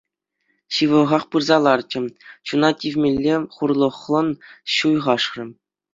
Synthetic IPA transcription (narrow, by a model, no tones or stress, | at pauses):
ɕɯʋɤ̆ʁɑχpɯrzɑlˠɑrt͡ɕɘ̆ɕunɑtʲivʲmʲelʲːeχurlˠɤ̆χlˠɤ̆nɕujʁɑʂrʲɘ̆